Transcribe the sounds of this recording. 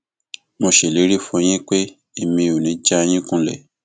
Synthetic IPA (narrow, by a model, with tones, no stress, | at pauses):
mõ˧ʃe˨le˨˦ɾi˦fũ˧j̃ĩ˦k͡pe˦ | e˦˨mĩ˧o˨nĩ˨˦d͡ʒa˦˧j̃ĩ˦kũ˦lɛ̰˦˨